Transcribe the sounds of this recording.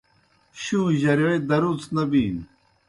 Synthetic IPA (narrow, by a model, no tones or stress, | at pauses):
ɕuːʑɐɾɐɽed̪ɐɾut͡snɐbiːn